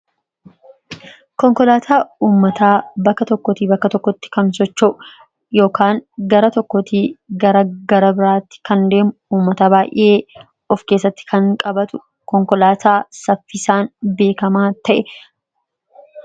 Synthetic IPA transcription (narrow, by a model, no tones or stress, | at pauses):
kɔŋkɔlaːt̪ʰaːuːmːɐt̪aːbɐkːɐt̪ɔkːɔt̪iːbɐkːɐt̪ɔkːɔt̪ːɪ̥kɐnsɔt͡ʃːo | jo̞ːkʰaːŋɡɐɾɐt̪ɔkːɔt̪iːɡɐɾɐɡɐɾɐbɪɾaːt̪ːɪ̥kɐnd̪e̞ːmʊuːmːɐt̪aːbaːjʔɪ̰ʔeː | ɔfkeːsːɐt̪ːɪ̥kʰɐŋkʼɐbɐt̪ʊ | kɔŋkɔlaːt̪ʰaːsɐfːɪsaːnbe̞ːkɐmaːt̪ɐʔɛ